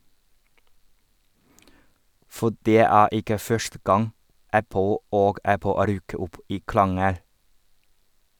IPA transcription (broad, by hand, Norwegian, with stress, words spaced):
ˈfɔ ˈɖeː ˈæː ˈɪkə ˈfœʃtə ˈɡɑŋ ˈæpl̩ ˈoːɡ ˈæpl̩ ˈɾyːkə ˈʔʊp ˈiː ˈkɭɑŋəɽ